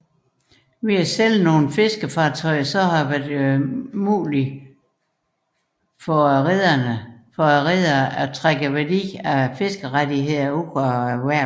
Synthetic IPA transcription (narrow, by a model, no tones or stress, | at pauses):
ʋiæsel̰no̝ːn̩fe̝sɡ̥əfɑ̈ːt͡sʰɒ̽ɪsɒ̽ɦɑ̈ʋæɐ̥ | muːli | fɒʁeðˠɐnəfɒʁeðˠɐʔæt͡sʰʁaɡ̥əʋædḭːæfe̝sɡ̥əʁadiɦe̝ð̰ˠɐukʰʋæɐ̰